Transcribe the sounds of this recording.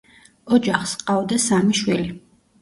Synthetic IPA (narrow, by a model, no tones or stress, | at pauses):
ɔd͡ʒaχsqʼavd̪asamiʃwili